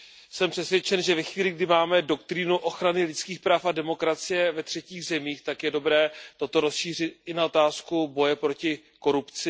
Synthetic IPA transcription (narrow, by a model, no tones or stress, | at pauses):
sɛmpr̝̥ɛsvjɛt͡ʃɛnʒɛvɛxviːlɪɡdɪmaːmɛdo̞kt̪ɾɪnuʔo̞xɾanɪlɪt͡skiːxpɾaːfadɛmo̞kɾat͡sɪjɛvɛt̪r̝̥ɛciːɣzɛmiːxt̪akjɛdo̞bɾɛːt̪o̞t̪o̞ɾo̞sʃiːr̝ɪt̪̚ʔɪnaot̪aːskubo̞jɛpɾo̞cɪ | ko̞ɾupt͡sɪ